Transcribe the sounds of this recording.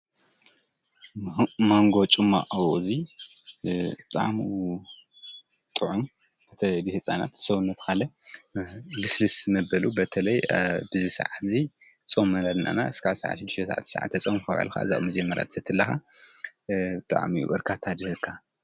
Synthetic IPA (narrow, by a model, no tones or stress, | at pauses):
moŋɡo̞t͡ʃʼɨmːa̰ʔwozi | bɨt̪ʼa̰ʕm | t̪ʼɨʕun | bʰɐt̪ʰɐd̪ɨhɨt͡sʼana̰t̪soβunːɐt̪ʰkʰalɐ | lɨslɨsnɐbɐlubɐt̪ʰɐlɐjbɨzisɨ̰ʕat̪zi | t͡sʼomːɐlad̪ɨna̰na̰ɨskʰasa̰ʕa̰ʃɪd̪ːiʃt̪ʰɐsaʕa̰t̪sa̰ʕa̰t̪ːɐt͡sʼomfɐβa̰lkʰa̰ɨ̰za̰ʔwmɐd͡ʒɐmːɐɾʔa̰t̪ʰsɐt̪ʰːɨlːɐxa | bɨt̪ʼa̰ʕmiṵʔɨɾkʰat̪ʰad̪ɨhɨkʰːa